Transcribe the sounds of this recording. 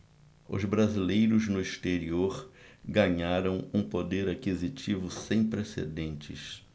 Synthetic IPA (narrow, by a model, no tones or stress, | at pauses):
ʊ̰zbɾazilejɾʊznʊiʃt̪eɾioɾɡɐɲaɾɐ̃w̃ũpod̪eɾakizit͡ʃivʊsẽj̃pɾesḛd̪ẽnt͡ʃɪ̰s